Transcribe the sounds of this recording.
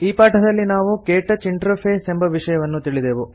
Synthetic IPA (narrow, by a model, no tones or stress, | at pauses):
iːpaːʈʰɐd̪ɐlːinaːʋukeːʈɐt͡ʃiɳʈɾɐpʰeːsembʱɐʋiʂɐjɐʋɐnːut̪iɭid̪eːʋu